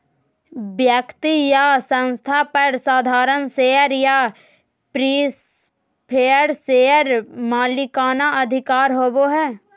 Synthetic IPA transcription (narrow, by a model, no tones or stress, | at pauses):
bjəkt̪ijasə̃nst̪ʰapəɾsaːd̪ʱaːɾənseːəɾja | pɾiːs | pʰeːəɾseːəɾmaːlikaːnaʔɐd̪ʱɪkaːɾɦoːboɦɛː